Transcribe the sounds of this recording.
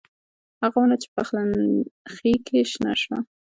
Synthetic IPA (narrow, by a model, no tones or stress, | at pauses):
haɣawunat͡ʃe̥paxlanxikʰeʃna̰ʃwa